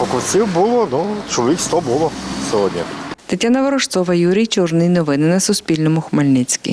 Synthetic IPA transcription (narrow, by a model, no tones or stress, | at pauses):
pɔkɔwsʲɪwbulˠɔnut͡ʃɔlˠɔʋʲikst̪ɔbulˠɔsʲɔɦɔdʲnʲḭt̪ɪtʲːanɐʋɔɾɔʃt̪sɔʋɐjuɾʲijt͡ʃɔrnɪjnɔʋɪnɪnɐsʊspʲilʲnɔmʊxmɐlʲnɪt͡sʲkʲḭ